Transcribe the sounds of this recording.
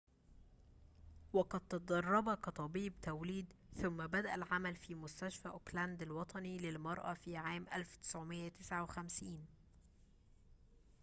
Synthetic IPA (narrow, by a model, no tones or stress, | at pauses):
wɑqɑd̪̚t̪ɑd̪ˤɑrˤːɑbɑkɑt̪ˤɑbiːbt̪æwliːd̪ | θʊmːæbæd̪æʔælʕamælfiːmʊst̪æʃfæːʔʊklænd̪ælwɑt̪ˤʰɑnilɪlmɑɾˤʔæfiːʕaːmʔælfwt̪ɪ̥sʕomɪjːæt̪ɪsʕawxæmsiːn